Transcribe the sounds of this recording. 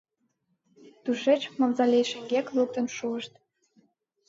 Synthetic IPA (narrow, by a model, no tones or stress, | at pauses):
t̪uʃet͡ɕmɑmzɑlʲejʃĕŋɡeklək̚t̪ə̆nʃuəʃt̪̚